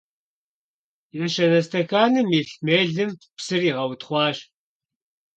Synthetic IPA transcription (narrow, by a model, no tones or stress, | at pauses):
jɛʃɐnɐstʰɐxaːnɨmiɬmeːɮɨmpsɨriːʁɐwtχʷɑːɕ